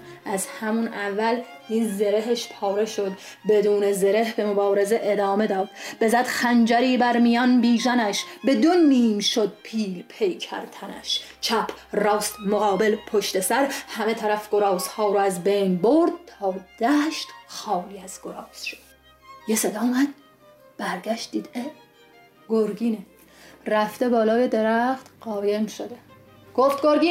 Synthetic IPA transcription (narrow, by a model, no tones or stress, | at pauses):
ʔæzhæmunʔævːæl | niːzːe̞ɾeɦeʃpʰɒːɾe̞ʃo̞d̪ | be̞d̪uːnezeɾe̞hbe̞mobɒːɾe̞ze̞ʔed̪ɒːme̞d̪ɒːd̪b̥e̞zæd̪̥xænd͡ʒæɾiːbæɾmijɒnbiːzænæʃbe̞d̪o̞niːmʃo̞d̪̚pʰiːlpʰe̞jcʰæ̰ɾt̪ʰænæ̰ʃ | t͡ʃʰæpʰrɒːst̪moɣɒːbe̞lpʰoʃt̪e̞sæɾhæme̞t̪ʰæɾæfɡ̥o̞ɾɒːz̥hɒːɾoæzbe̞jnboɾd̪̚t̪ʰɒːd̪̥æʃt̪xɒːliːæz̥ɡ̥o̞ɾɒːz̥ʃo̥d̪̥ | jese̞d̪ɒːmæd̪̥̚ | b̥æɾɟæʃt̪̚d̪iːd̪e | ɡ̥oɾɡiːne | ræft̪e̞bɒːlɒːje̞d̪e̞ɾæχt̪ɢ̥ɒːje̞mʃod̪e | ɡ̥oft̪̚ɡoɾɡiː